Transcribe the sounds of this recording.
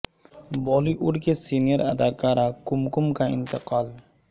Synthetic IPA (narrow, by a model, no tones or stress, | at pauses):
bɔːliʔʊɽkesinjeɾad̪akaɾakʊmkʊmkaɪ̰nt̪ɪqɑːl